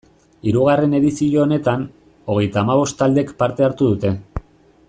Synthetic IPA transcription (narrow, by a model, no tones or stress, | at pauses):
iɾuɣ̞are̞ne̞ðisioːne̞t̪an | o̞ɣ̞e̞jt̪aːmaβ̞o̞st̪ald̪ekpaɾt̪e̞aɾt̪uðut̪e̞